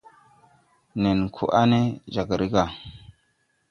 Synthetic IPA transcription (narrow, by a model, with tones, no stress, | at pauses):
ne˨n˨kʰṵ˨ʔa̰˦ne˦d͡ʒa˨ɡa˨ɾi˦ka˨